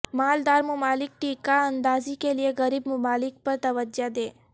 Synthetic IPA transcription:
mald̪aɾmʊmalɪk̚ʈikaənd̪ad͡ʒikelieɡəɾibmʊmalɪk̚pəɾt̪əʋəd͡ʒjad̪e

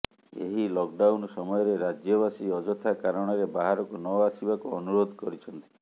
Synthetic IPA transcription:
ḛɦilɔkɖawnsɔmɔjɔɾeɾad͡ʒjɔβasiɔd͡ʒɔt̪ʰakaɾɔɽ̃ɔɾebaɦaɾɔkunɔasibakuɔnuɾod̪ʱkɔɾit͡ʃʰɔnt̪i̥

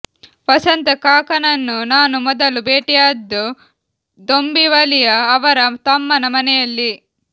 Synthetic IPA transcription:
pɐsɐnt̪ɐkaːkɐnɐnːunaːnumɔd̪ɐlubeːʈijaːd̪ːu | d̪ombiʋɐlijɐːʋɐɾɐt̪ɐmːɐnɐmɐnɛjɐlːi

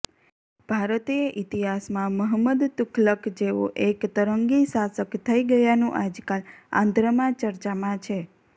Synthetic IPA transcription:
b̥ʱaɾət̪eʔit̪iɦasmãməɦəməd̪t̪ukʰləkd͡ʒeʋo̰ʔekt̪əɾəŋɡisasəkt̪ʰəiɡəjanũʔad͡ʒkalã̰nd̪ʱɾəmãt͡ʃəɾt͡ʃamãt͡ʃʰe

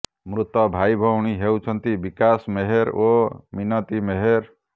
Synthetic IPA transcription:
mɾut̪ɔbʱajbʱɔwɽ̃iɦewt͡ʃʰʌnt̪ibikasmeɦeɾominʌt̪imeɦeɾ

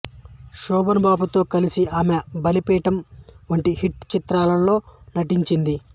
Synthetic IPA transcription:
ʃɔːbɐnbaːbut̪o̞ːkɐlisiaːmebɐlipɛːʈɐmʋɐɳʈihiʈt͡ʃit̪ɾaːlɐlːo̞ːnɐʈiɲt͡ʃind̪i

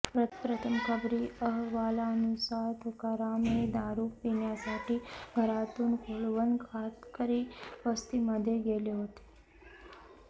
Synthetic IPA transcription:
pɾət̪pɾət̪ʰəmkʰəbɾiəɦʋaːlanusat̪ʰkəɾamed̪aːɾupinjasaʈʰibʱəɾat̪unkʰoɭʋənkʰat̪kəɾiʋəst̪iməd̪ʱjeɡeljoɦət̪e̥

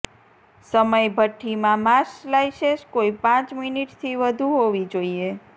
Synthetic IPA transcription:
səməjbʱəʈʰːimãmaslajʃeʃkoipãt͡ʃminiʈt̪ʰiʋəd̪ʱuɦoʋid͡ʒoie

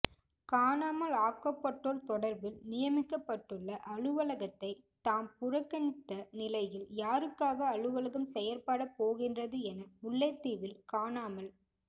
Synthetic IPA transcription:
kaːnaːmɐlaːkːɐpːɐʈːoːɾt̪ɔɽɐɾbɪlnɪjɐmɪkːɐpːɐʈːɯɭːɐʔɐɻɯʋɐlɐɣɐt̪ːɐɪt̪aːmpʊɾɐkːɐɳɪt̪ːɐnɪlɐɪjɪljaːɾɯkːaːɣɐːɻɯʋɐlɐɣɐmsɛjɐɾpaːɽɐpːoːɣɪndrɐðɯɛnɐmʊɭːɐt̪ːiːʋɪlkaːnaːmɐl

